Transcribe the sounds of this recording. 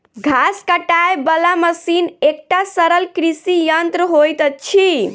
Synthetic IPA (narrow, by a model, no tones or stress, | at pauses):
ɡʱaskəʈaebəlaməsinek̚ʈasəɾəlkɾisijənt̪ɾəɦojt̪ət͡ʃʰi